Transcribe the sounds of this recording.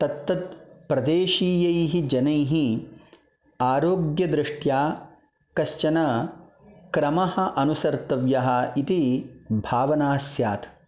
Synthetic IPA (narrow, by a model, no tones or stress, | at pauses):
t̪ɐt̪ːɐt̪̚pɾɐd̪eːʃiːjɐjɦid͡ʒɐnɐjɦi | aːɾoːɡjɐd̪ɾɪʂʈjaː | kɐʃt͡ʃɐnɐ | kɾɐmɐhɐ̆ʔɐnusɐɾt̪ɐʋjɐɦɐ̆it̪ibʱaːʋɐnaːsjaːt̪ʰ